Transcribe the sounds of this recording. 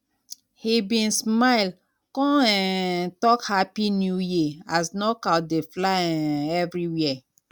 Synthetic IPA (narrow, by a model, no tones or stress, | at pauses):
hibĩnsmaɪl | kɔ̃ɛtɔkhapinjujiasnɔkat̚deflãɛvɹiwiɛ